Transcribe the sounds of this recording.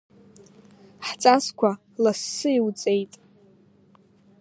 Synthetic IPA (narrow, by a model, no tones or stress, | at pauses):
ħt͡sʼaskʷʰa | lasːɨiwt͡sʼejtʼ